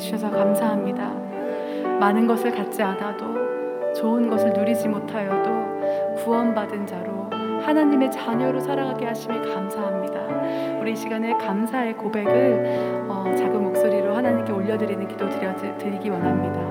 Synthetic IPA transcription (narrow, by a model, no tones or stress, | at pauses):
ɕʰʌsʰʌkamsʰaɦamɲida | manɯnɡʌsʰɯɭkat̚t͡ɕ͈iadado | t͡ɕoɯnɡʌsʰɯɭnuɾid͡ʑimotʰajodo | kuwʌnbadɯnd͡ʑaɾo | hanaɲime̞t͡ɕaɲʌɾosʰaɾaŋɦaɡe̞haɕʰimekamsʰaɦamɲidauɾiɕʰiɡanekamsʰae̞kobe̞ɡɯɭʌt͡ɕaɡɯnmok̚s͈oɾiɾohanaɲimk͈e̞oʎːʌdɯɾinɯnkidotɯɾʌ | tɯɾiɡiwanɦamɲida